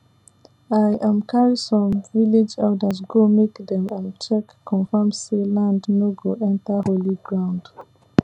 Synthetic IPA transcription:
ajʔãmkʰaɹisɹɔ̃mviled͡ʒɛldəzɡomekdɛ̃mãnt͡ʃɛkːʰ | ɔ̃nfamselãndnoɡoʔɛ̃ntəholiɡɹãʊ̃nd

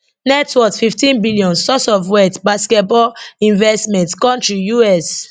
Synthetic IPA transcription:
nɛtʰwɔkfiftĩnbiliɔ̃nsɔsɔfwɛtbaskɛt̚bɔĩnvɛstmɛ̃ntkɔ̃ntɹijuɛs

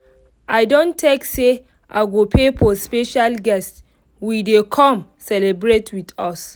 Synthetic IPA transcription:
aɪdõntʰekse | ʔaɪɡopʰepɔspeʃalɡɛst | widekʰɔ̃m | sɛlebɹetwidɔs

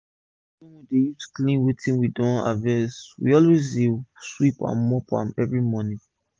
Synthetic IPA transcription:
ĩnwidejutu̥klĩnwetĩnwidɔ̃na̰vɛswḭɔlwezdeswipã̰nmɔpʰã̰nɛvɹimɔnĩ

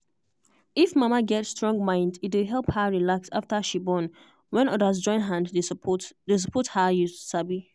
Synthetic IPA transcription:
ifmamaɡɛtstɹɔ̃ŋɡ̚mãɪ̃ndit̬wɪɦɛlˠphəɹilaksaftəʃibɔn | wɛ̃nɔdas̬d͡ʒɔ̃ɪ̃nɦãnddedes̬əpʰɔthəjusabi

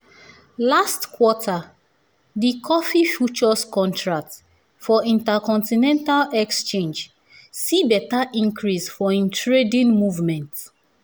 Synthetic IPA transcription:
lastkʰwɔtʰa | dikʰɔfifjut͡ʃɔskɔ̃ntɹak̚t | fɔĩntakɔ̃ntinɛ̃ntalɛkst͡ʃẽnd͡ʒ | sibɛtaʔĩŋkʰɹisfɔĩntʰɹedĩnmuvmɛ̃nt

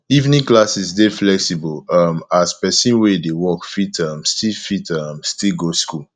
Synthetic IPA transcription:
ivnĩklasisdeflɛksibɔlʌmaspɛsĩnwɛdewɔkfitʰʌ̃mstifitʰʌmstilɡoskul

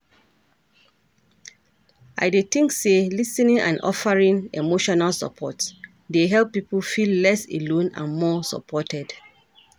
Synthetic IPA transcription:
aɪdetĩŋkselisɛnĩŋʔã̰nɔ̰faɹĩŋemoʃɔnalsə̰pʰɔts | deɦɛlˠpːipʰəlfillɛsḛlõnã̰nmɔsə̰pʰɔtʰɛd

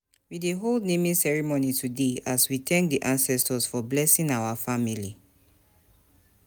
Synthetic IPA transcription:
wideɦoldnemĩsɛɹimonitudeaswitɛ̃ŋk̚diʔãnsɛstɔsfɔblɛsĩŋawafamili

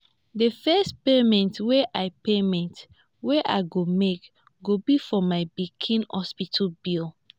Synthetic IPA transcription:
dəfɛstpemɛ̃ntweʔaɪpemɛ̃nt | weʔaɪɡomek | ɡobifɔmaɪbikʰĩnhɔspitʰbil

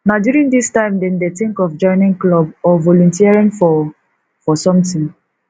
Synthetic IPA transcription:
naʊdjuɹĩŋdistãɪ̃mdɛ̃ndetĩŋkɔfd͡ʒɔ̃ɪnĩŋklɔbɔvɔlɔ̃ntiaɹĩnfɔ | fɔsɔ̃mtĩŋ

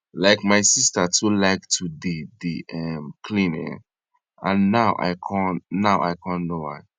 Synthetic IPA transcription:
laɪkmaɪsistətʰulaɪktʰudidiɛmkʰlĩnɛ̰̃n | ãnːaʊʔa̰ɪkʰãnnaʊʔa̰ɪkʰãnnowa̰ɪ

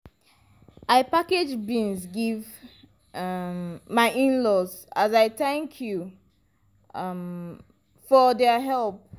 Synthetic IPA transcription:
aɪpaked͡ʒbĩnsɡiv | maɪʔĩnlɔsazaɪθɛ̃ŋkʰju | m | fɔdɛɦɛlˠp̚

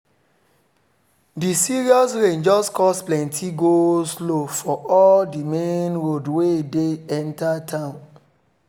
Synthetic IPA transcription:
disiɹiɔsɹẽnd͡ʒɔskɔsplɛ̃ntʰiɡoslofɔʔɔldimẽnɹodwedeɛ̃ntatʰãʊ̃n

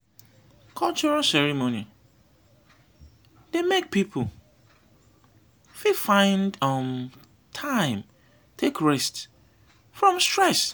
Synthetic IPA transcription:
kʰɔlt͡ʃɔɹalsɛɹimõni | d̥emek̚pʰipʰ | fifãɪ̃ndʌm | tʰãɪ̃m | tʰekɹɛst | fɹɔ̃mstɹɛs

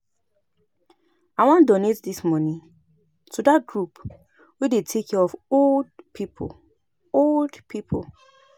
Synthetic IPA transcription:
awãndonetdismɔnĩ | tʰudat̚ɡɹup | wedetʰekɔɔfoldpʰipʰo̰ | oldpʰipʰo̰

